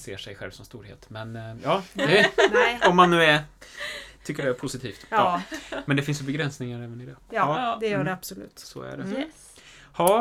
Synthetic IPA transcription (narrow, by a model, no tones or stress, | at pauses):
sḛːʂɛjɧɛlvsɔmst̪uːɾhḛːt̪mɛnjɑːd̪ɛɔmːanːʉ̟ːɛ | t̪ʰʏkːəɖɛæɾpʰʊsɪt̪ʰiːft̪ɑmɛnd̪ɛfɪnsjɵbɛɡɾɛnsnɪŋaɾɛːvənɪd̪ɛːd̪ɛjœːɖɛab̥sɔlʉ̰ːt̪sɔ̰æ̰ɖɛ̰ | hɑː